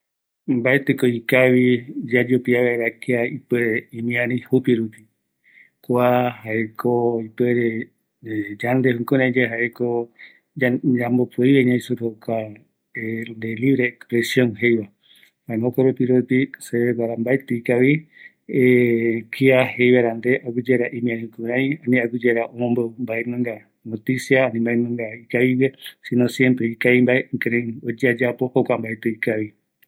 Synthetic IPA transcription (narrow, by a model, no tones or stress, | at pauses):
mbaet̪ekoikaβid͡ʒad͡ʒupiaβeeɾakiaipeɾeimĩãnĩhupiɾupi | kʷahaekʰoipeɾe | d͡ʒand̪ehũŋkonãd͡ʒeɦaʔeko | ambopuiβeɲãĩsuɾokʰa | end̪eliβɾeːkspɾesjõŋɦe̞jβa | maẽmõkoɾupiɾopiseβeɡʷaɾambaet̪eikaβi | ekiahejβaɾand̪eʔaɡud͡ʒeɾaʔĩmĩãhĩkuɾajanĩaɡud͡ʒeɾaʔomõmbombaemãŋɡa | not̪isjaːnĩmbaemɨ̃ŋɡaikaβiβesinõsjempɾeikaimbaekeɾẽod͡ʒead͡ʒapohokambaet̪ɨikaβi